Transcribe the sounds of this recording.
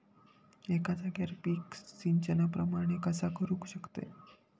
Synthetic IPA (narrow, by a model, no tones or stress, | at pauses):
ekat͡saɡaɾpiːksiɲt͡ɕənapɾəmaɽ̃ekəsakəɾũkɕəkt̪ḛ